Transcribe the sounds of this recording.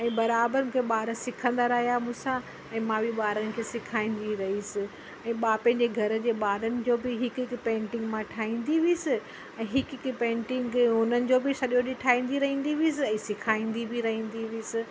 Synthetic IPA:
ɛ̃ːbɐɾaːbəɾmũːkʰeɓaːɾəsɪkʰə̃nd̪aɾɐɦijamũːsã | ɛ̃ːmãbʱiɓaːɾənɪ̆kʰeːsɪkʰaːĩːnd̪iɾɐɦisɪ | ɛ̃ːɓaːpɛ̃ɪ̃d͡ʑeɡʱɐɾ̆d͡ʑeːɓaːɾənɪ̆d͡ʑoːbɪɦɪkɪkpẽːɳʈɪ̃ŋɡmãʈʰaːĩːn̆d̪iʋisɪ | ɛ̃ːɦɪkkpẽːɳʈɪ̃ŋɡʊnənɪ̆d͡ʑoːbɪsɐɗjoɗiʈʰaːɦĩːnd̪iɾɐɦĩːn̆d̪iʋiis̬ɪɛ̃ːsɪkʰaːĩːnd̪ibʱɪɾɐɦĩːn̆d̪iʋiiːsɪ

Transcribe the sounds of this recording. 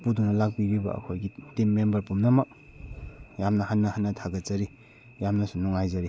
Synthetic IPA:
puduŋnalak̚biɾiba̰ɐ̰kʰojɡitimːembɐɾpumnɐmɐk̚ | jamnɐhanːɐhanːɐtʰaɡat͡ʃaɾi | jamnɐsunɔŋajzaɾi

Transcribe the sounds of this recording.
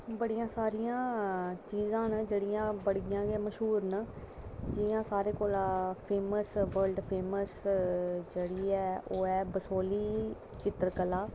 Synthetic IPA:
bəɽijãːsaːɾijãːt͡ʃiːzãːnd͡ʒeːɽɪjãːbəɽɡɪjãːɡeːməʃɦuːɾn | d͡ʒɪjãːsaːɾeːkoːlaːpʰeːməsʋəɾlɖpʰeːməs | d͡ʒeːɽiːɛːoːɛːbəsoːliː | t͡ʃɪt̪ɾəkəlaː

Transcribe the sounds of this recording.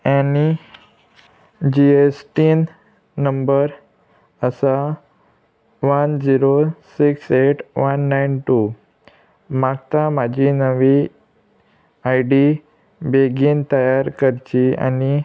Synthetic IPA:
ani | d͡ʑiesʈiːnː | əmbəɾ | əsa | ʋənd͡ziɾosikseʈʋənːajnʈu | maɡ̚t̪amad͡ʑʱinəʋi | ajɖi | beɡiːnt̪əjaɾkəɾt͡ɕia̰ni

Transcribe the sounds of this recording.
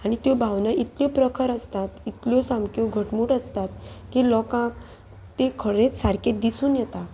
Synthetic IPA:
aɽ̃it̪jobʱaʋnaʔit̪ljɔpɾəkʰəɾəst̪at̪it̪ljɔsamkoɡʱəʈmuːʈəst̪at̪kiːlɔkãk | t̪ekʰəɽet͡ssaɾket̪̚d̪isuːnjɛt̪a

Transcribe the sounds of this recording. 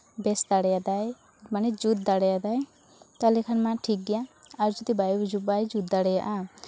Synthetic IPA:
bɛsd̪aɽɛjad̪aj | manɛd͡ʒut̪̚d̪aɽɛjad̪aj | t̪alɛkʰanmãʈʰik̚ɡijãaɾd͡ʒut̪ibajbd͡ʒubajd͡ʒut̪̚d̪aɽɛjaʔã

